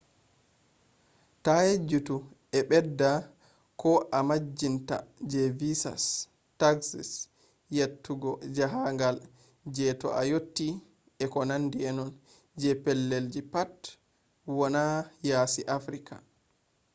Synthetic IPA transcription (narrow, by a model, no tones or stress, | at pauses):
tajed͡ʒːutu | ɛɓɛdːa | kʰɔʔamad͡ʒːinta̰d͡ʒɛvisa̰s | taksis | jetːuɡɔd͡ʒaɦaŋɡal | d͡ʒɛtɔ̰ʔajotːi | ɛkɔnandiɛnɔn | d͡ʒɛpɛlːeld͡ʒipat | wɔnajaːsiʔafɾikʰa̰